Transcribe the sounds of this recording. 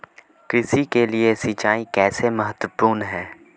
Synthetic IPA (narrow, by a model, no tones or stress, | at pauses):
kɾɪsikeliesit͡ʃaːikɛːsemɐɦət̪wəpuːɾnɦɛː